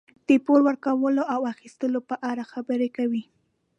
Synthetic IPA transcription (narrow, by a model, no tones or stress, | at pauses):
d̪̥əpoɾwəɾkawəloʔawaxist̪əlopəʔaɾaxabəɾekawi